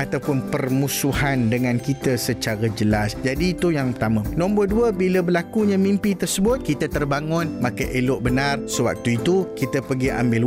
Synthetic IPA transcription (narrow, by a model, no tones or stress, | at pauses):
at̪awpʊnpərmũsuhandəŋãnkit̪əsət͡ʃaɾad͡ʒəlasd͡ʒadiːt̪ujaŋpərt̪amãnɔ̃mbɔlduəbiləbəlakuɲãmimpit̪ərsəbʊt̪̚kit̪ət̪ərbaŋʊ̃nmakəʔelʊʔbənãrsəwa̰k̚t̪uit̪ukit̪əpəɡia̰mbɪl